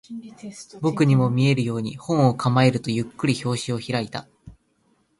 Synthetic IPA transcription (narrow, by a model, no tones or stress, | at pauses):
bo̞kɯ̟ɲ̟imo̞mʲie̞ɾɯ̟jo̞ːɲ̟ihõ̞ɰ̃o̞kʰamae̞ɾɯ̟t̪o̞jɯ̟kːɯ̟ɾʲiço̞ːɕio̞çiɾait̪a